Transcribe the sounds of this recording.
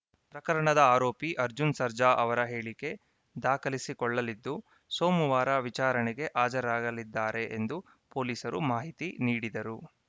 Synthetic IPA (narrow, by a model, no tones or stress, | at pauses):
pɾɐkɐɾɐɳɐd̪ɐaːɾoːpiʔɐɾd͡ʒunsɐɾd͡ʒaʔɐʋɐɾɐɦe̞ːɭike̞ | d̪aːkʰɐlisikɔɭːɐlid̪ːu | soːmuʋaːɾɐʋit͡ʃaːɾɐɳɛɡe̞ʔaːd͡ʒɐɾaːɡɐlid̪ːaːɾe̞ʔend̪u | po̞ːliːsɐɾumaːɦit̪iniːɽid̪ɐɾu